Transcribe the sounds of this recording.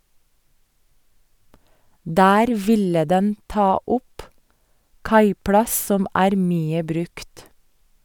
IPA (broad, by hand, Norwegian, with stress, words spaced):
ˈdæːɾ ˈʋɪlə ˈdɛn ˈtɑː ˈʊp ˈkɑɪplɑs ˈsɔm ˈæːɾ ˈmyːə ˈbɾʉkt